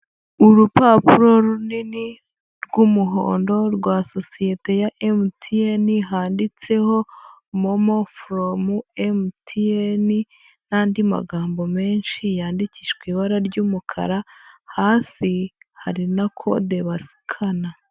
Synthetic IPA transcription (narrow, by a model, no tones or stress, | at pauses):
uɾupapuɾo̞ɾunini | ɾɡumuɦo̞̰ːndo̞ɾɡwaːso̞sije̞te̞jaʔemutʰieniɦaːndit͡se̞ho̞momofɾomuemtʰieni | n̥aːndima̰ɡaːmbo̞me̞ːnʃijaːndiciʃɡwiːβaɾaɾɟuːmukʰa̰ɾahaːsiha̰ɾinakʰo̞de̞βasi̥kʰana